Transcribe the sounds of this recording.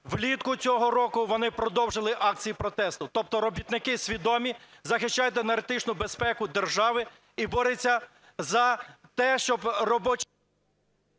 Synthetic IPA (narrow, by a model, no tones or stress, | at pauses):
ʋlʲit̪kʊt͡sʲɔɦɔɾɔkʊʋɔnɪpɾɔd̪ɔwʒɪlˠɪʔɑk̚t͡sʲijipɾɔt̪ɛst̪ʊt̪ɔp̚t̪ɔɾɔbʲit̪nɪkɪsʲʋʲid̪ɔmʲizɐxɪʃt͡ʃːɑjʊt̪enɐɾet̪ɪt͡ʃnʊbespɛkʊd̪erʒɑʋɪ | ibɔɾɪt͡sʲːɐ | zɐt̪ɛʃt͡ʃɔbrɔbɔt͡ʃ